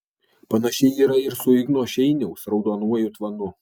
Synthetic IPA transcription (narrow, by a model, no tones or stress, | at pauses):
pɐnɐʃʲɛɪiːɾɐɪɾsʊɪɡnuːʃʲɛɪnʲɛʊsɾɒʊd̪oːnuɔjʊt̪ʋɐnʊ